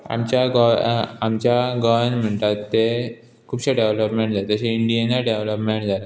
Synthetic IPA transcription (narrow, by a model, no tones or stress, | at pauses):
a̰mt͡ɕjaɡɔamt͡ɕaɡəʋənm̤əɳt̪at̪ːe | kʰuːbɕaɖeʋləpmẽɳʈd͡zat̪əɕeiɳɖijenaɖeʋləpmeɳʈ̚d͡zala